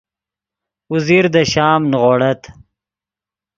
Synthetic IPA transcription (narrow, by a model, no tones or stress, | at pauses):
uziɾd̪əʃɑːmnʁoːɽɐt̪